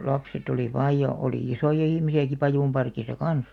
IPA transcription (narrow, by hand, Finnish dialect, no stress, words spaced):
lɑpset oli ʋɑːj jɑ oliˑ isojɑ ihmisiæki pɑjuˑmpɑrkisɑ kɑns